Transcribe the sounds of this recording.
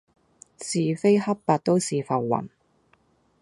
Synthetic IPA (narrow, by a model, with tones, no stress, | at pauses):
siː˨fe˥jhɐ˥ppaː˨˧t̚t̪o˥wsiː˨fɐ˨wːɐ̰˨˩n